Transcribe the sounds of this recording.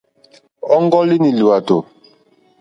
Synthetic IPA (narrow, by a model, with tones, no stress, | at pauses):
ɔ˦ŋ˦ɡɔ˦li˦ni˨lu˨a˨to˨